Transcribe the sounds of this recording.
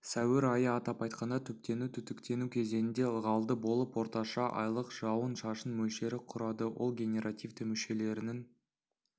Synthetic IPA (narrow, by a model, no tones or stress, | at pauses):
sæwɪɾɑjəɑt̪ɑpɑjt̪̚qɑnd̪ɑt̪ʰʏp̚t̪e̞nut̪ʰʏt̪ɪkt̪e̞nukʲʰe̞ze̞nɪnd̪e̞lˠʁɑlˠd̪əbo̞lˠəpwo̞ɾt̪ɑʃɑʔɑ̰jlˠəqʒ̥ɑwənʃɑʃənmɵlʃe̞ɾɪqʰʊɾɑd̪əwo̞̰lˠɡʲe̞nʲe̞ɾʔat̪ʲijvt̪ʰɪmɪʃe̞le̞ɾɪnɪŋ